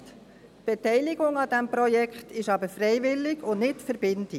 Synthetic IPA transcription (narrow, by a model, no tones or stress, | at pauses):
t | tb̥ɛtɛɪlɪɡʊŋɑdɛmpɾɔjɛkχt̪ɪʃɑbəɾfɾɛɪvɪlːɪɡʊnnɪtfəɾbɪnti